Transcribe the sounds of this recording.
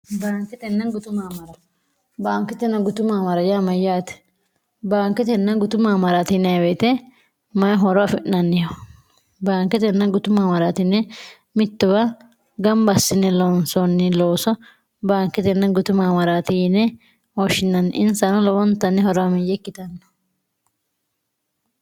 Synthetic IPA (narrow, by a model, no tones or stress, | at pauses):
baːŋkɛt̪ɛnːɐnɡʊt̪ʊmamɐɾɐ | baːŋkɛt̪ɛnːɐɡʊt̪ʊmamɐɾɐjamɐjaːt̪ɛ̥ | baːŋkɛt̪ɛnːɐnɡʊt̪ʊmːamɐɾaːt̪ɪnːɛawet̪ɛ | mɐjɐɦɔɾɔwɐfɪʔnːɐnːɪjɔ | baːŋkɛt̪ɛnːɐɡʊt̪ʊmːamɐɾaːt̪ɪnːɛ | mɪt̪ːʊbɐ | ɡɐmbɐsːɪnːɛlɔːnsɔnːɪloːsɔ | baːŋkːɛt̪ɛnːɐɡʊt̪ʊmamɐɾaːt̪ɪnɛ | ɔʃɪnːɐnːʔɪnsɐnɐlɔwɔnt̪ːɐnːɛhɔɾɔamɪjːɛkːɪt̪ɐnːɔ̥